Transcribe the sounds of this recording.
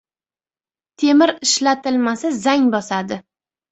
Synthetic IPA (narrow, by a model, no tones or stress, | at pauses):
t̪ʰe̞mɪɾɪʃlat̪ɪlmasazaŋbɒsad̪ɪ